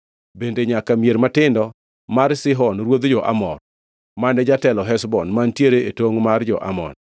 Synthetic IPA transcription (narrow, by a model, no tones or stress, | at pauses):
bendeɲakamjeɾmatɪndɔ | maɾsɪɦɔnɾwod̪d͡ʒɔʔa̰mɔr | manɛd͡ʒatɛlɔɦɛsbɔnmantjeɾeʔetoŋmard͡ʒɔʔa̰mɔ̰n